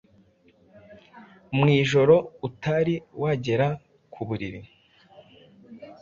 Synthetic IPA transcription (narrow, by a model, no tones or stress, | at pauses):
mŋiːʒo̞ɾo̞utaɾiwaɟe̞ɾa | kʰuβuɾiɾi